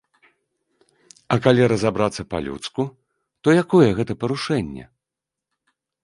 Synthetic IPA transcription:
ɐkalʲiɾɐzabɾat̪sːɐpa̰lʲṵt̪sku | t̪ɔjakɔjɛɣɛt̪ɐpɐɾuʂɛnʲːɛ̰

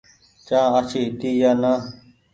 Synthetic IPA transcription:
t͡ʃãːət͡ʃʰiːɦɪt̪iːjaːnaː

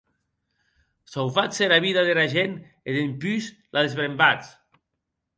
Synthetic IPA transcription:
sawfaseɾaβiðaðeɾaʒen | eðempys | lʔaðezβɾembat͡s

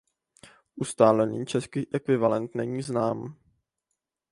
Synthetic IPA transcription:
ʔust̪aːlɛniːt͡ʃɛskiːʔɛkvɪvalɛnt̪nɛɲiːznaːm

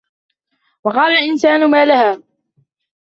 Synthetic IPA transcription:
wɑqɑːlalʔɪnsaːnʊmaːlahaː

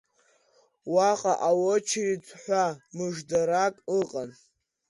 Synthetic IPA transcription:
waqʼaʔawot͡ʃʰrit͡sʷʰʼħʷamɨʐdaɾakʼɨqʼan

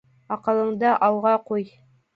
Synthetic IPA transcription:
ɑqɤ̆lˠɤ̆ɴd̪ɑʔɑlˠʁɑquj

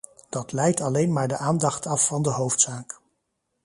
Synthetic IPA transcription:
d̥ɑtlɛjtɑlejnmaːɹdəʔaːndɑχtʰɑfːɑndəɦowftsaːk

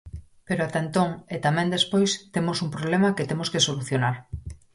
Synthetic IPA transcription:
peɾoat̪aent̪oŋet̪amɛ̃nd̪espojst̪emosumpɾoβlemɐket̪emoskesoluθjonaɾ

